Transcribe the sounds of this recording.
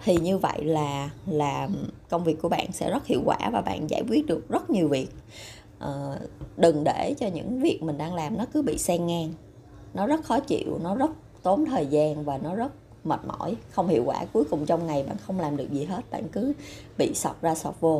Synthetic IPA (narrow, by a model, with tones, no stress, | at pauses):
t̪ʰi˨˩ɲɨ˧və̰˧˨jlaː˨˩laː˨˩kə˧wŋ͡mvi˨˩əkːu˧˩əɓa̰ː˧˨nsɛ̰˧˥zə˦˥t̚hḭ˧˨wkwaː˧˩vaː˨˩ɓa̰ː˧˨nza̰ː˧˩jkwi˦˥t̚ɗɨ˨˩ək̚zə˦˥t̚ɲi˨˩əwvi˨˩ək̚ | ʔəː˨˩ɗɨ˨˩ŋɗe˧˩t͡ɕɔ˧ɲɨ̰˧˥ŋvi˨˩ək̚mï˨˩ŋ̟ɗaː˧ŋlaː˨˩mnɔ˨˦kɨ˨˦ɓḭ˧˨sɛ˧ŋːaː˧ŋ | nɔ˨˦zə˦˥t̚xɔ˨˦t͡ɕḭ˧˨əwnɔ˨˦zə˦˥t̚ | t̪o˨˦nt̪ʰəː˨˩jzaː˧nvaː˨˩nɔ˨˦zə˦˥t̚ | mə̰ː˨˩t̚mɔ̰˧˥jxə˧wŋ͡mhḭ˧˨əwkwaː˧˩ku˨˦əjkʊ˨˩ŋ͡mt͡ɕɔ˧wŋ͡mŋa˨˩jɓa̰ː˧˨nxə˧wŋ͡mlaː˨˩mɗɨ˨˩ək̚zi˨˩ɦe˦˥t̚ɓa̰ː˧˨nkɨ˨˦ | ɓḭ˧˨sa˨˩wk͡p̚zaː˧sɔ˨˩wp̚vo˧